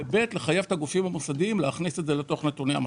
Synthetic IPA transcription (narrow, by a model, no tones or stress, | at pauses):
ebe̞t̪le̞χajavet̪aɡufimamusadimleaχnisedze̞le̞to̞χne̞t̪unea̰ma